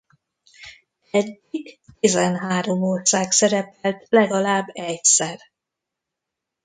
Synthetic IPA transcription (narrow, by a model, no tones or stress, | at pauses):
ɛɟːiɡt̪izɛnɦaːɾo̞moːrsaːksɛɾɛpɛlt̪lɛɡɒlaːbːɛcsɛr